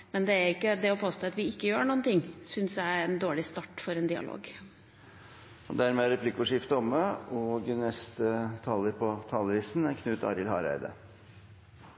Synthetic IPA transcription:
mɛnd̪ɛæɾɪkːəd̪ɛɔpʰoːst̪oːɑt̪ʋɪɪkːəjøːɳuːnt̪ʰɪŋːsʏnsjæɪɛnd̪oːɭɪst̪ɑːʈfɔɾɛnd̪ɪɑ̰lo̰ːɡ | ɔd̪æɾmɛæɾɛpʰlɪkʊʂɪft̪əɔməɔːɡnɛst̪ət̪ʰɑlːəɾpʰɔt̪ʰɑːləɾɪsn̩æɾkʰnʉːt̪ɑ̰ːɾɪlhɑ̰ːɾæ̰ɪd̪ə̰

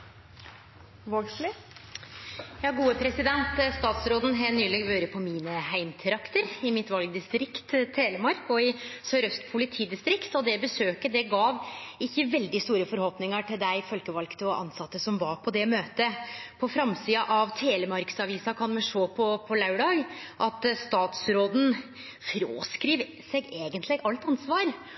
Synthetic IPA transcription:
ʋoslɪ | jɑːɡuːəpʰɾɛsɪd̪ɛnt̪st̪ɑːt̪sɾoːd̪ən̩ɦɛnyːlɛːɡʋøːɾəpʰɔmiːnəhæɪmt̪ʰɾɑkt̪əɾɪmɪt̪ʋɑlɡd̪ɪst̪ɾɪkt̪t̪ʰːeːləmɑɾkɔɪsœɾœst̪pʰʊlɪt̪ʰiːd̪ɪst̪ɾɪkt̪ɔd̪ɛbəsøːkəd̪ɛɡɑːʋɪçːəʋɛld̪ɪst̪uːɾəfɔɾhɔpnɪŋəʈɪld̪æɪfɔlkəʋɑlkt̪ʰɔʔɑ̰nsɑt̪ːəsɔmʋɑɾpʰɔd̪ɛmøːt̪əpʰɔfɾɑmsiːɑʔɑʋt̪ʰeːləmɑɾksɑʋiːsɑkʰɑnmɛʂoːpʰɔpʰɔlɑʉɖɑːɡʔɑt̪st̪ɑːt̪sɾoːd̪n̩ | fɾo̰ːskɾiːʋ | sɛɡeːɡənt̪lɪɡɑlt̪ɑnsʋɑːɾ

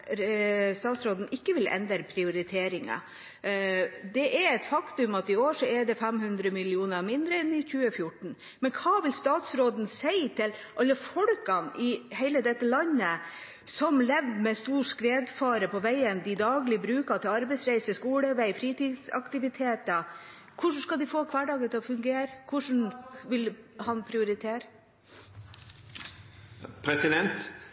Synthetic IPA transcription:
st̪ɑːt̪sɾoːd̪n̩ɪkːəʋɪlʔɛ̰nd̪əɾpʰɾɪʊɾɪt̪ʰeːɾɪŋɑ̰ | d̪ɛʔɛɾɛt̪fɑkt̪ʉmɑt̪ɪoːʂɔɛɖɛfæmhʉnd̪ɾəmɪlɪuːnəmɪnd̪ɾəɛnɪçʉːəfjʊʈːɳ̩ | mɛnkʰɑːʋɪlst̪ɑːt̪sɾoːd̪n̩sæɪt̪ʰɪlʔɑlːəfɔɽkɑnʔɪhæɪləd̪ɛt̪ːəlɑnːə | sɔmlɛʋmɛst̪uːʂkɾeːd̪fɑːɾəpʰɔʋæɪənd̪ɪd̪ɑːɡlɪbɾʉːkɑt̪ʰɪlɑɾbɛɪsɾæɪsəskuːɽəʋæɪfɾiːt̪iːd̪sɑ̰kt̪ɪʋɪt̪ʰeːt̪ə | kʰʊʂɳ̩skɑld̪ɪfoːkʰʋæɖɑːɡlət̪ʰɪlɔfʉŋɡeːɾəkʰʊʂɳn̩ʋɪlhɑnpʰɾɪʊɾɪt̪ʰeːɾə | pʰɾɛsɪd̪ɛnt̪

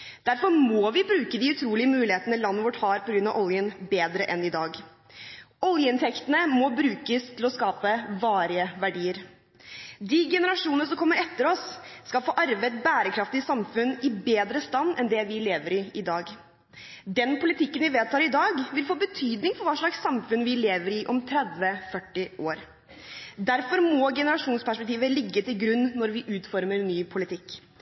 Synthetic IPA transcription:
d̪̥æɾfɔɾmɔʋɪbɾʉːkəd̪ɪʉt̪ʰɾuːlɪəmʉːlɪheːt̪nəlɑnːʋʊʈhɑːɾpʰɔɡɾʉnɑʋʔɔljənbeːd̪ɾəʔɛnɪd̪ɑːɡ | ɔlˠjəɪnt̪ʰɛkt̪ənəmɔbɾʉːkəst̪ʰɪlɔskɑːpəʋɑːɾɪəʋæɖiːəɾ | d̪iːɡɛnəɾɑʂuːnənəsɔmkʰɔmːəɾɛt̪ːəɾɔsːkɑlfoːʔɑɾʋeɪt̪bæːɾəkʰɾɑft̪ɪsɑmfʉnɪbeːd̪ɾəst̪ɑnːɛnd̪ɛʋɪleːʋəɾɪɪd̪ɑːɡ | d̪ɛnpʰʊlɪt̪ɪkːənʋɪʋeːd̪̚t̪ʰɑːɾɪd̪ɑːɡʋɪlfoːbət̪ʰyːd̪nɪŋfɔɾʋɑːʂɭɑksɑmfʉnʋɪleːʋəɾɪʔɔmt̪ʰɾɛd̪ʋəfœʈːɪʔoːɾ | d̪æɾfɔɾmɔːɡɛnəɾɑʂuːnspæʂpɛk̚t̪iːʋəlɪɡːət̪ɪlɡɾʉnːɔɾʋɪʔʉːt̪fɔɾməɾnyːpʰʊlɪt̪ʰɪkː

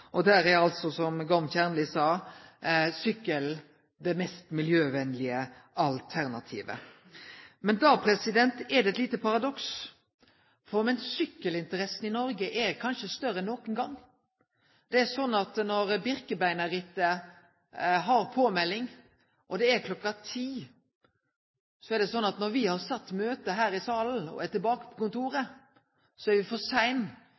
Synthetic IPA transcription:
ʔɔd̪æːɾæɾɑlt̪sɔsɔmɡɑmçæʁnəlɪsɑː | sʏkːəl | d̪ɛmɛst̪mɪljøːʋɛnlɪə | ɑlt̪ʰæɾnɑt̪ʰḭːʋə̰ | mɛnd̪ɑːpʰɾɛsɪd̪ɛnt̪ɛd̪ɛɛt̪liːt̪əpʰɑɾɑd̪ɔks | fɔɾmɛnsʏkːəlɪnt̪əɾɛsn̩ɪnɔɾɡəʔɛkʰɑnʃəst̪œɾːəɛnːoːkənɡɑŋː | d̪̥ɛɛsɔnːɑt̪nɔɾbɪɾkəbæɪnɑɾɪt̪ːə | ɦɑɾpʰoːmɛlːɪŋ | ʔɔd̪ɛæɾkʰlɔkːɑt̪ʰiː | sɔɛɾɖ̪ɛsɔnːɑt̪nɔɾʋɪhɑɾsɑt̪ːmøːt̪əɦæːɾɪsɑːln̩ɔ̰ɛt̪ɪlbɑːkə̥pʰɔ̥kʊnt̪uːɾə | sɔɛɾʋɪfɔsæɪn

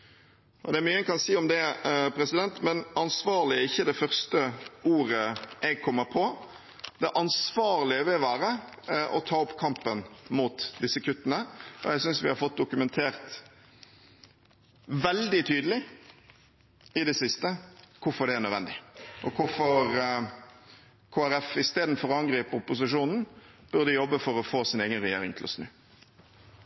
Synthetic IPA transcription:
ʔɔd̪ɛæɾmyːəkʰɑnsiːɔmd̪ɛpɾɛsɪd̪ɛnt̪mɛnɑnsʋɑːɾlɪæɾɪçːəd̪ɛfœɾst̪əuːɾəʔɛɡ̚kʰɔmːəɾpʰɔ | d̪̥ɛʔɑnsʋɑːɾlɪəʋɪlʋæːɾə | ʔɔ̰t̪ʰɑːɔpkʰɑmpənmuːt̪d̪ɪsːəkʰʉt̪ːənəʔɔ̰ɛɡsʏnsʋɪhɑɾfɔt̪̚ːd̪ʊkʉmɛnt̪ʰeːɾt̪ | ʋɛld̪ɪt̪ʰyːd̪əlɪ | ɪd̪ɛsɪst̪əkʰʊfɔʁd̪ɛænœd̪ʋɛ̰nd̪ɪʔɔkʰʊfɔɾ | kʰoːæɾɛfɪst̪eːd̪n̩fɔɾɑŋɡɾiːpəʊpʊs̬ɪʂuːnn̩b̥œʁd̪əjɔbːəfɔɾɔfoːsɪneːɡənʁɛjḛːɾɪŋt̪ʰɪlɔ̰snʉ̰ː

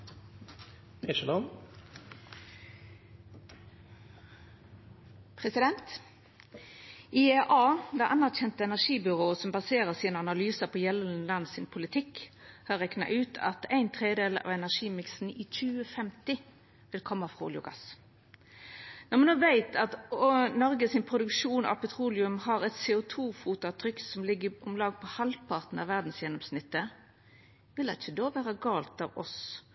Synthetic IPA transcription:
ɛʃɛlɔn | pʰʁɛsɪd̪ɛnt̪ | ieʔɑːd̪ɛʔɑnæʁçɛnt̪əɛnæʁʂiːbʏʁoːəsɔmbɑseːʁəʁsiːnəɑnɑlyːsəpʰoːjɛləlɑnsɪnpʰʊlɪt̪ʰɪkhɑʁɛknɑ̰ʔʉːt̪ʰɑ̰t̪æɪnt̪ʰʁeːd̪eːlɑ̰ːʋɛnæʁʂiːmɪksn̩iːc͡çʉːəfɛmt̪ɪ | ʋɪlkʰɔmːɑfʁṵːljʊ̰ɡɑ̰s | nɛʁmɛnoːʋæɪt̪ʰɑt̪nɔʁɡəsɪnpʰʁʊd̪ʉkʂuːnɑ̰ʋpʰɛt̪ʰʁuːlɪʉmhɑʁɛt̪seːʊt̪ʰuːfuːt̪ʊɑt̪ʰʁʏksɔmlɪɡːəɔmlɑːɡpʰɔhɑlpʰɑʁt̪n̩ɑʋæʁd̪n̩sjɛnɔmsnɪt̪ːə | ʋɪlɑt̪çəd̪oːʋæːʁəɡɑːlt̪ɑːʋɔ̰s

